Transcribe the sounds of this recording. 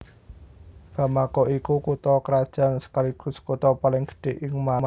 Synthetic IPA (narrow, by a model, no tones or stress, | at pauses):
b̥a̤makɔʔikukut̪ɔkəɾad̥ʒ̥a̤nsə̥kaliɡ̥ʊ̤skut̪ɔpalɪŋɡ̥ə̥ɖ̥e̤ʔɪŋma